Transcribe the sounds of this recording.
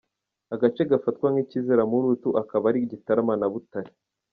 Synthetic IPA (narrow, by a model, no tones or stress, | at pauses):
aɡat͡ʃe̞ɡafatkwaŋɡicizeɾamuɾutuʔakaβaɾiɟitaɾamanaβutaɾi̥